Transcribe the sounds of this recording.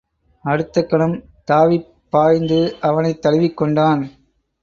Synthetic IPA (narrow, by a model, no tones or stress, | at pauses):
ɐɽɯt̪ːɐkːɐɳɯm | t̪aːʋi | pːaːjnd̪ɯʔɐʋɐnɐɪt̪ːɐlɯʋɪkːɔɳɖaːn